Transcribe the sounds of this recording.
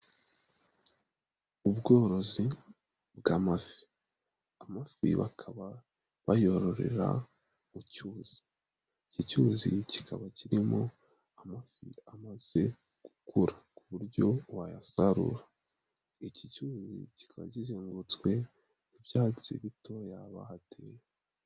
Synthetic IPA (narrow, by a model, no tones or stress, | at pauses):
ubɡo̞ːɾo̞zi | bɡaːmafi̥ | amafḭβa̰kʰaβa | βajo̞ɾo̞ɾe̞̰ɾa̰ | mucuːz̥i̥ | icicuːzḭci̥kʰaβaciɾimo̞ | amafḭamaz̥e̞ | ɡ̥ukʰuɾakuβuɾɟo̞wajasaɾṵɾa | icicuzḭci̥kaβa̰ɟizeːŋɡut͡swe̞ | ivjaːt͡sḭβito̞jaβahatʰeje